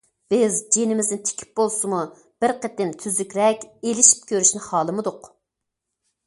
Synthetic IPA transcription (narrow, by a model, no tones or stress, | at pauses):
b̥ɪzd͡ʒenɪmɪznɪnt̪ʰe̥kʲʰi̥p̚bolˠsɨmu | b̥ɪɾqʰət̪ːɪnt̪ʰyzykʲɾɛkʲelɪʃi̥p̚kʲʰøɾyʃnɪχɑːlˠɨmɨd̪ʊq